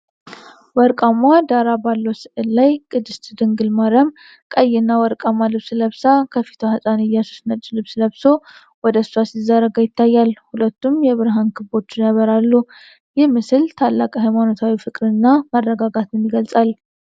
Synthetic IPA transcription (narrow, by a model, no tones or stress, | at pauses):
wɔɾkʼamad̪aɾabalːosɨʔɨlːajkʼɨd̪ɨst̪d̪ɨŋɡɨlmaɾəm | kʼəjːɪnːawɔɾkʼamalɨβsləβsakʰəfi̥t̪ʰohəsʼanɨjːasu̥snət͡ʃʼːlɨβsləβso̞ | wɔd̪əsasizaɾəɡajɪt̪ʰːajːalhulət̪ːumjɛβɨɾɦankʰɨbo̞t͡ʃːɪjaβəɾalːu | jɛmɨsɨlt̪ʰalːakʼaɦajmano̞t̪ʰawifɨkʼɾɨnːamərːəɡaɡat̪ʰɨnjɪɡəlsʼal